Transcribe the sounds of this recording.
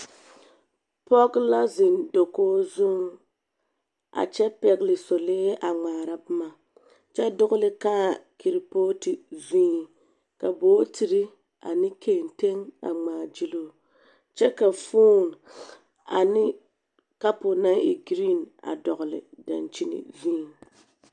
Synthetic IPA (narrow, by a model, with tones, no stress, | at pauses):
pɔ˦ɡla˦zɪ˨ndo˨koː˦zʊ˦ŋ | a̰˨t͡ʃɛ˦pɛ˨ɡlɪ˨so˨leː˦ʔa˨ŋ͡maː˨ɾa˦bma˨ | t͡ʃɛ˦dʊ˦ɣʊ˦lɪ˦kaː˦ki˨ɾi˨poː˦tɪ˨vĩː˦˨ | ka˨boː˦tʰi˨ɾɪ˦ | a̰˨nɪ˦kʰe˦˨nte˦ŋa̰˨ŋ͡maː˨d͡ʒi˦loː˦ | t͡ʃɛ˦ka˨fuː˦n | a̰˨nɪ˦ | ka˦po˨na˦ḭ˨ɡɾi˦na̰˨dɔ˨ɣʊ˨lɪ̰˨da̰˨nt͡ʃi˦nɪ̰˨vĩː˦